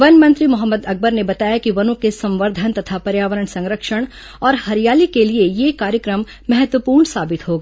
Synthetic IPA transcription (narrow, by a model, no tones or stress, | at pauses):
ʋɐnmɐ̃nt̪ɾimʊɦəmːəd̪ɐk̚bəɾnebɐt̪aːjakiʋɐnõkesɐ̃mʋəɾd̪ʱənt̪ɐt̪ʰapɐɾjaːʋəɾəɳsɐ̃ŋɾəkʃəɽ̃ | ɔːɾhɐɾjaːlikeliejekaːɾjəkɾəmːɛɦət̪ʋəpuːɾɳsaːbɪt̪ɦoːɡaː